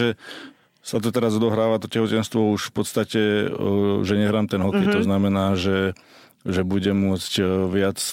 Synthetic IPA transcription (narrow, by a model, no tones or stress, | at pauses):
ɛ | sat̪ɔt̪ɛɾazɔd̪ɔɦɾaːʋat̪ɔcɛɦɔcɛnst̪ʋɔuʃfpɔt̪st̪acɛ | ʒɛɲɛɦɾaːmt̪ɛnɦɔkɛjt̪ɔznamɛnaːʒɛ | ʒɛbuɟɛmːʊɔt͡scʋɪat͡s